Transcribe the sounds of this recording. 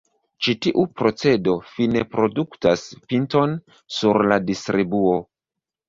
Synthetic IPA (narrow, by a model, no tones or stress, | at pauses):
t͡ʃitiʔupɾo̞t͡se̞do̞fine̞pɾo̞duktaspinto̞n | suɾladistɾibuo̞